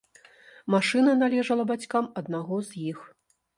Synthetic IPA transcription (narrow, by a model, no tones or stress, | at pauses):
maʂɨnɐnalʲɛʐɐlˠɐbat͡sʲkamɐd̪̚naɣɔzjix